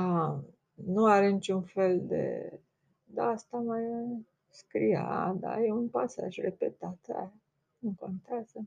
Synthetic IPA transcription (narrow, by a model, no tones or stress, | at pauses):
a | nuaɾenit͡ʃunfe̞ld̪ḛ | d̪aast̪amaj | skɾḭjaad̪a̰jeunpasa̰ʒrepḛt̪at̪a̰ | ɨŋko̞nt̪eaz̥ə